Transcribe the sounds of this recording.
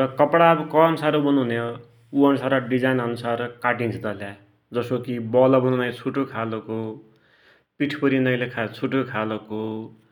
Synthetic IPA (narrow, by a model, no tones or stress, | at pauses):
rʌkʌpɽabkʌmsaɾobʌnuno | uʌnsaɾaɖid͡zajnʌnusarkaʈint͡sʰit̪ʌlja | d͡zʌsokibʌlʌbʌnunʌjt͡sʰuʈokʰaloko | piʈʰpʌɾinʌjlekʰat͡sʰuʈokʰaloko